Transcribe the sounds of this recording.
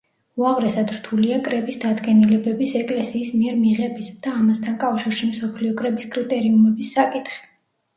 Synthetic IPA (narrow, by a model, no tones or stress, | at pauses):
uaʁɾɛsad̪ɾt̪ʰuliakʼɾɛbisd̪ad̪ɡɛnilɛbɛbisɛkʼlɛsiːsmiɛɾmiʁɛbisd̪̥aːmast̪ʰankʼafʃiɾʃimsɔpʰliɔkʼɾɛbiskʼɾit̪ʼɛɾiumɛbisːakʼit̪ʰχi̥